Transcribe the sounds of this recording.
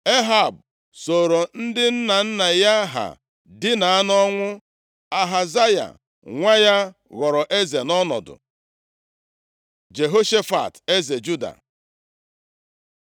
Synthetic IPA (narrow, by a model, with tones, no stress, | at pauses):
e˦ɦa˨b | so˨ɾo˨n̩˦dɪ˦n̩˦na˨n̩˦na˨ja˦ɦa̰˨ | dɪ˦na˨a˦nɔ˦ŋʷʊ˦ | a˨ɦa˨za˦ja̰˨ | ŋʷa˦ja˦ | ɣɔ˨ɾɔ˨ʔe˦ze˨nɔ˦nɔ̰˨dʊ̰˨ | d͡ʒe˨ɦo˦ʃe˦fa̰˨te˦ze˨d͡ʒu˦da̰˨